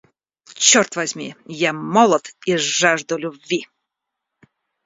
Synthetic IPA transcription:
t͡ɕɔrt̪vazʲmʲḭjamɔlˠɔt̪iaʐd̪ʊlʲʊbbʲvʲi

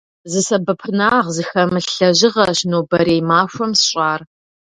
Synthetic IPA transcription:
zɨsɐbɐpʰɨnaːʁzɨxɐmɨɬɬɐʑɪʁɐɕnoːbɐɾeːmaːxʷɐmsɕʼaːr

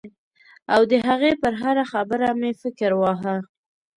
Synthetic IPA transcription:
awd̪əɦaɣepəɾɦaɾaxabəɾamefɪkɾwɑɦa

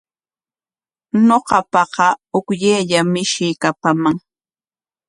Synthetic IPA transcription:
noqɑpɑqɑʊkʎeːʎamɪʃɪjkapamaŋ

